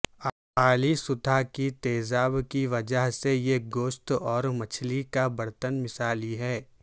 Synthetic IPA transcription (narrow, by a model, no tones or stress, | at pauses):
apaːlisʊd̪ʱakit̪eːzaːbkiʋɐd͡ʒəɦsejeɡoːʃt̪ɔːɾmɐt͡ʃʰlikabɐɾt̪ənmɪsaːliɦɛː